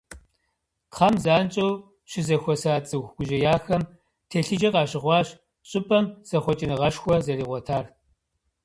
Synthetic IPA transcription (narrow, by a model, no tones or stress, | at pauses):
qʰɐmzaːnt͡ʃʼɐw | ɕɪzɐxʷɔsaːt͡sʼɨxɡʷʊʒɐjaːxɐm | tʰeɬɨd͡ʒɐqɑːɕɪʁʷɑːɕ | ɕʼɪpʼɐmz̥ɐχʷɔt͡ʃʼɪnɨʁɐʂxʷɔzɐriːʁʷɔtʰaːr